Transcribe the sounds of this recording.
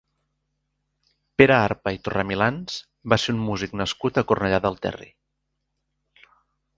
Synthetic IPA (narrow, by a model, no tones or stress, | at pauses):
peɾəaɾpəit̪uramilans | baseummuziknəskut̪əkurnəʎaðəlˠt̪ɛ̰rḭ